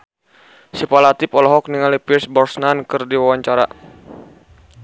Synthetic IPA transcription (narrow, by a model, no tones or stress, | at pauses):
sipalat̪ipɔlɔɦɔk̚niŋalipirsbɔrsnankɨrdiwawaɲt͡ʃaɾa̰